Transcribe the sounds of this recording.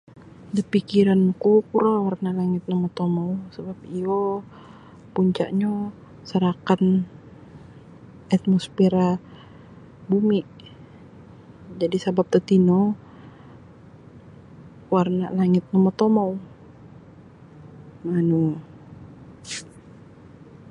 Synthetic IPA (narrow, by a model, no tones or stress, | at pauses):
dəpikiɾankukuɾawarnalaŋɪt̪̚nɔmɔt̪omausəbap̚io | puɲt͡ʃa̰ʔɲo | səɾakan | at̪̚mospeɾa | bumiʔ | d͡ʒadisabap̚t̪ət̪ino | warna̰ʔlaŋɪt̪̚nɔmɔt̪omaw | manu